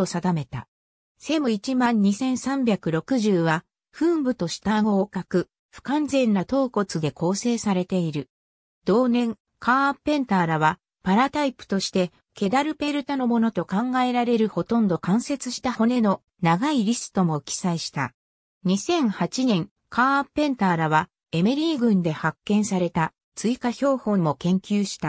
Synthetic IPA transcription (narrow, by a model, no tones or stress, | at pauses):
osad̪ame̞t̪a̰ | se̞mɯ̟it͡ɕimãɲ̟ːisẽ̞ɰ̃sãmbʲjakɯ̟ɾo̞kɯ̟ʑɨːβa | ɸɯ̟ːmbɯ̟t̪o̞ɕi̥t̪aŋoːkakɯ̟ | ɸɯ̥kãnd͡zẽ̞nːat̪o̞ːko̞t͡sɨd̪e̞ko̞ːse̞ːsaɾe̞t̪e̞iɾɯ̟ | d̪o̞ːnẽ̞ŋ | kʰaːpːẽ̞nt̪aːɾaβa | paɾat̪aipɯ̟̥t̪o̞ɕi̥t̪e̞ | ke̞d̪aɾɯ̟pe̞ɾɯ̟t̪ano̞mo̞no̞t̪o̞kãŋɡae̞ɾaɾe̞ɾɯ̟ho̞t̪õ̞nd̪o̞kãɰ̃se̞t͡sɨɕi̥t̪aho̞ne̞no̞ | naɡaiɾʲisɨ̥t̪o̞mo̞kʲi̥saiɕi̥t̪a̰ | ɲ̟isẽ̞ɰ̃hat͡ɕinẽ̞ŋ | kaːpːẽ̞nt̪aːɾaβa | e̞me̞ɾʲiːɡɯ̟̃nd̪e̞hakːẽ̞ɰ̃saɾe̞t̪a | t͡sɨikaçʲo̞ːhõ̞mo̞kẽ̞ŋkʲɨːɕi̥t̪a